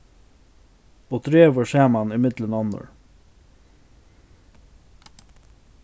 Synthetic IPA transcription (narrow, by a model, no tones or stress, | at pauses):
oːd̪ɾeːʋəɹsæːmanɪmɪt̪lənɔnːə̰ɹ